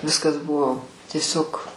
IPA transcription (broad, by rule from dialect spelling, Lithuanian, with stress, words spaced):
ˈʋʲɪskɐs ˈbʊʋoː tʲiɛˈsʲoːk